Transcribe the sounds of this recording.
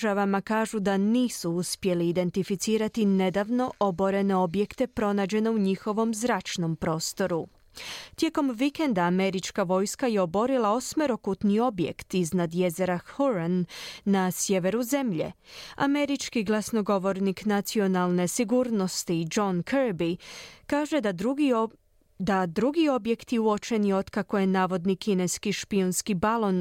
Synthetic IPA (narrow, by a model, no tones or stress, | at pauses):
ʒaʋamakaːʒud̪aniːsuuspje̞liːd̪e̞nt̪ifit̪siːɾat̪ine̞d̪aʋno̞ʔo̞bo̞ɾe̞ne̞o̞bje̞kt̪e̞pɾo̞naːd͡ʑe̞ne̞uɲixo̞ʋo̞mzɾaːt͡ʃno̞mpɾo̞ːst̪o̞ɾu | t̪je̞ko̞mʋike̞nd̪aːme̞ɾit͡ʃkaʋo̞jskaje̞obo̞ɾilˠao̞smeɾo̞kut̪nio̞bjekt̪iznad̪je̞ze̞ɾahuɾanːasje̞ʋe̞ɾuze̞mʎḛa̰me̞ɾit͡ʃkiɡlˠasno̞ɡo̞ʋo̞ɾniknat̪sio̞nalˠne̞siɡuːɾno̞st̪id͡ʒo̞nkʰəɾbikaːʒe̞ | d̪ad̪ɾuɡio̞bje̞kt̪jeuot͡ʃe̞nio̞d̪kako̞je̞naːʋo̞d̪nikine̞skiʃpionskibalˠo̞n